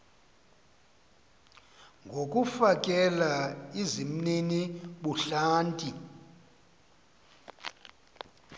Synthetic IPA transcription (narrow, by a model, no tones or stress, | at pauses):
ŋɡʱokʼufakʼɛlaizim̩niniɓuɬaːntʼi